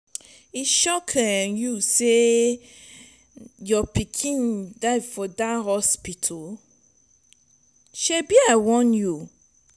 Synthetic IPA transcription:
iʃɔkʰɛ̃njuse | jɔpikʰĩndaɪvfɔdahɔspitʰɔ | ʃɛbiawɔ̃nju

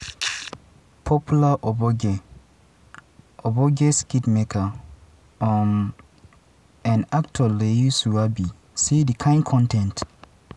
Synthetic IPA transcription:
pʰɔpʰjulaʔɔbɔɡe | ɔbɔɡeskitmekʰa | ɔ̃n | ãnak̚tʰɔlejusuabi | sidikʰãɪ̃nkʰɔ̃ntʰɛ̃nt

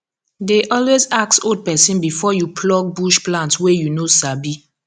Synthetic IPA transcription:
deʔɔlwezaksod̚pɛsĩnbifɔjupʰlɔɡ̚buʃplãntwejunosabi

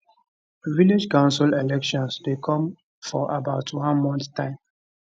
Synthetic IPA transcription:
vilid͡ʒkãʊ̃nsəlelɛkʃɔ̃nsdekʰɔ̃m | fɔʔabaʊtwãnmɔ̃nttãɪ̃m

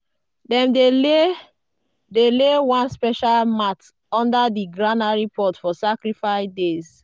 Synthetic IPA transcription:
dɛ̃mdele | delewãnspɛʃalmat | ɔ̃ndadiɡɹanaɹipʰɔtfɔsakɹifaɪdez

